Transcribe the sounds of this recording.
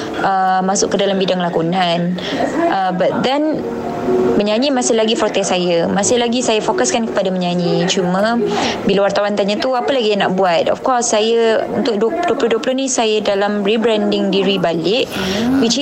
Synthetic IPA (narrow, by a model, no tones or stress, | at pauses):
əmasʊʔkːədalambidaŋlakunãn | ʔəbat̪̚d̪ɛn | mə̃ɲaɲimasɪhlaɡifɔt̪ɛsajamasɪhlaɡisajafokaskankə̥padamə̃ɲãɲit͡ʃumãbilawart̪awant̪aɲat̪uapəlaɡijaŋnaʔ̚buat̪̚ɔ̰fkɔsːajəṵnt̪ʊk̚duduəplʊhduəplʊhnĩsajədalamribɾandɪŋdiɾibalɪʔ | wit͡ʃ